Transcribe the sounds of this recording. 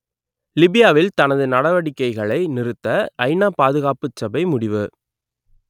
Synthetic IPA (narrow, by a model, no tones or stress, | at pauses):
lɪbɪjaːʋɪlt̪ɐnɐðɯnɐɽɐʋɐɽɪkːɐɪɣɐɭɐɪnɪɾɯt̪ːɐʔɐɪnaːpaːðɯɣaːpɯt͡ʃːɐbɐɪmʊɽɪʋɯ